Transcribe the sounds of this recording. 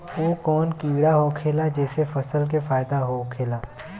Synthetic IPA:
oːkɔːnkiːɽaɦokʰeːlad͡ʒɛːsefɐsəlk̬efaːɪd̪aɦokʰeːlaː

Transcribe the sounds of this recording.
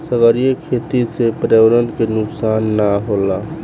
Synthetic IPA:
səɡəɾijəkʰet̪isepɾeʋɾənkenʊksaːnːaɦola

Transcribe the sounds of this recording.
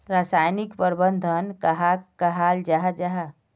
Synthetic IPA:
ɾasajnikpəɾbənd̪ʱənkəɦakəɦald͡ʒaɦad͡ʒaɦa

